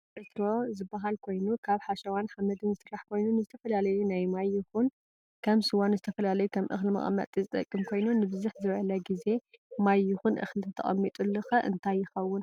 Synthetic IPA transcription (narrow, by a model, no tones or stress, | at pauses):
ʔɨt̪ɾozɨbːaɦalkʰo̞jnukʰaβħaʃɐwanħamɐd̪ɨnzɨsɨrːaħkʰo̞jnunɨzɨt̪ʰɐfɐlalɐjunajmajːuxun | kʰɐmsɨwanzɨt̪ʰɐfɐlalɐjukʰɐmʔɨ̰xlmɐ̰χʼmːɐ̰t̪ʼizɨt̪ʼɐ̰kʼːɨmkʰo̞jnunɨbɨzuħzɨβʔɐlɐɡize̞majːuxunʔɨ̰xlt̪ʰɐt̪ʰɐ̰χʼɐ̰mːit̪ʼulːɨxɐʔɨ̰nt̪ʰajːɪxɐwːʊn